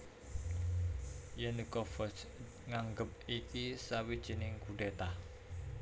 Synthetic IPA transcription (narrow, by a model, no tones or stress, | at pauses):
jɛnikɔfɔs | ŋaŋɡəp̚ikisawid̥ʒ̥i̤nɪŋkuɖ̥et̪ah